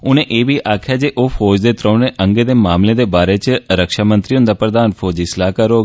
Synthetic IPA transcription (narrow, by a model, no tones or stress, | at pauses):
ʊnẽːʔeːbʱiːʔaːkʰjaːd͡ʒeːʔoːfʰɔːd͡ʒd̪eːt̪ɾə̃ːnẽʔə̃ŋɡeːd̪eːmaːmleːd̪eːbaːɾeːt͡ʃɾəkʃaːmə̃nt̪ɾiːɦʊ̃nd̪aːpɾəd̪aːnpʰoːd͡ʒiɪslaːkəɾoːɡ